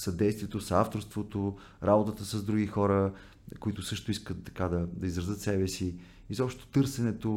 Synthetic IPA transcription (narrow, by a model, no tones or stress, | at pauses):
sɐd̪ɛjst̪viɛt̪osaft̪oɾst̪vot̪o | ɾabot̪ət̪əsɐzd̪ɾuɡʲixɔɾə | koit̪ʊsɤʃt̪oiskət̪ːɐkad̪ɐd̪ɐizɾɐzɤt̪sɛbɛsi | izɔpʃt̪t̪o̥t̪ɤɾsɛnɛt̪o